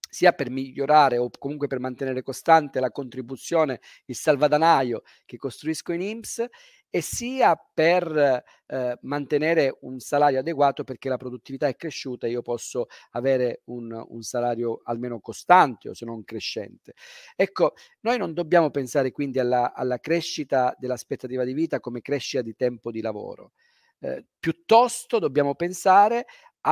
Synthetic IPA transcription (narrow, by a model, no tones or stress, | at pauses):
siːapermiʎːoɾaːɾeokːomuŋkwepermant̪enɛːɾekost̪ant̪elakont̪ɾibut̪sːjɔːne | ilsalvad̪anaːjo | kekːost̪ɾuiskoinimps | esːiːaper | mant̪enɛːɾeunsalaːɾjoad̪eɡwaːt̪operk̟elapɾod̪ut̪ːivit̪aɛkːɾeʃːuːt̪aeiːopɔsːoaveːɾeunṵnsalaːɾjoa̰lmeːnokost̪ant̪eo̰senoŋkɾeʃːɛ̰nt̪eɛkːonoːjnond̪obːjaːmopensaːɾekwind̪ialːaa̰lːakɾɛʃːit̪ad̪elːaspet̪ːat̪iːvad̪iviːt̪akomekɾɛʃːit̪ad̪it̪ɛmpod̪ilavo̰ːɾo̰ | pjut̪ːɔst̪od̪obːjaːmopensaːɾe | a